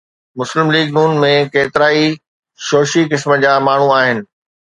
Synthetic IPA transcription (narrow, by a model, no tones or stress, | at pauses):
mʊslɪmliːɡnuːnmẽkeːt̪ɪɾaːi | ʃoːʃikɪsməd͡ʑaːmaːɳ̤ũaːɦɪnɪ̆